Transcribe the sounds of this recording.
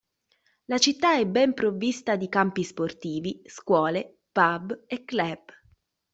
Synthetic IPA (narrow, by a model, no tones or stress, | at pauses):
lat͡ʃit̪ːaɛbːɛmpɾovːist̪ad̪ikampisport̪iːviskwɔːle | pabekːlɛb